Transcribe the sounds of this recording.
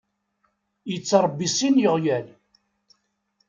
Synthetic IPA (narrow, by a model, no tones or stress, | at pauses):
jət͡sːɑɾˤbːisinjəʁjæl